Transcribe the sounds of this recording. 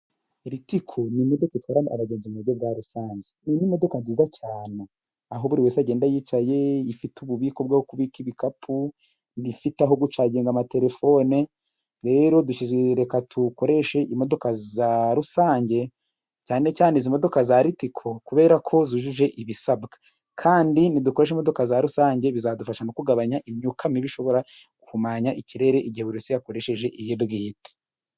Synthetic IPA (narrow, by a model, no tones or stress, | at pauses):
ɾitikʰonimo̞dokaitwaːɾanʔa̰βaɟe̞ːnzimuuɾɟob̚ɡaːɾusaːɲɟe̞ninimo̞do̞kanziːzacaːne | aɦo̞βuɾiweːseaɟeːndajiːt͡ʃaje̞ifituβuβiːko̞b̚ɡahokuβikiβikapʰu | nifitaɦoɡut͡ʃaɟeːŋɡamate̞ɾe̞fo̞ne | ɾe̞ːɾo̞duʃiɾe̞katʰuko̞ɾe̞ʃe̞ʔimo̞do̞kazaɾusaːɲɟe̞ | caːne̞caːnezimo̞do̞kazaɾitikʰo̞kuβe̞ːɾakʰo̞ziʒuʒe̞ʔiβisabɡḁ | kʰaːndiniduko̞ɾe̞ʃimo̞do̞kazaɾusaːɲɟe̞βizadufaʃanokuɡaβaɲaʔimɲukʰamiβiʃo̞βo̞ɾakʰumaɲaʔiciɾe̞ɾe̞ʔiɟiheβuɾisijako̞ɾe̞ʃe̞ʒe̞ʔijebɡeːti̥